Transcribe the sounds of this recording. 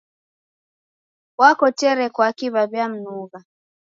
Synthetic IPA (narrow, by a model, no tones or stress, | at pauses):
wakɔtɛɾɛkwakiβaβjam̩nuɣa